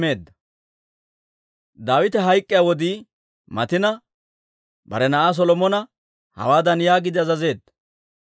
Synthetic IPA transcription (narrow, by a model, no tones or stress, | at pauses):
e̞ːd̪ːɐ | d̪aːwɪt̪ɛɦɐjkʼːɪjawɔd̪iː | mɐ̰t̪ɪnɐ | bɐ̰ɾɛnɐʔaːs̬ɔlɔmɔnɐ | hɐ̰waːd̪ɐnjaːɡɪd̪ɪɐzɐze̞ːd̪ːɐ̥